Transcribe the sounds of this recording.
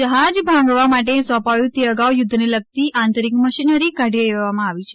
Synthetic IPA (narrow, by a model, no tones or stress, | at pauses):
d͡ʒəɦad͡ʒbʱãŋɡʋamaʈ̬esɔ̃pajũt̪eəɡaʋjʊd̪ʱːneləɡ̚t̪iʔant̪əɾikməʃinəɾikaɖʱijəeʋʋamãaʋit͡ʃʰe̥